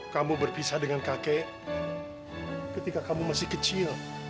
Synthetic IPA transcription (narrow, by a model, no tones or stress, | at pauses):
kamubərpisadəŋankakɛ | kət̪ikakamumasɪhkət͡ʃil